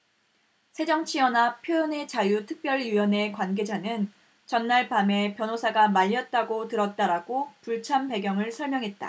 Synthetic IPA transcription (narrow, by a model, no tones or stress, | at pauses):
sʰe̞d͡ʑʌŋt͡ɕʰiʌnapʰjojʌne̞t͡ɕajutʰɯk̚p͈jʌɭjujʌne̞kwanɡe̞d͡ʑanɯn | t͡ɕʌnːaɭpame̞pjʌnosʰaɡamaʎːʌt̚t͈aɡotɯɾʌt̚t͈aɾaɡopuɭt͡ɕʰampe̞ɡjʌŋɯɭsʰʌɭmjʌŋɦe̞t̚t͈a̰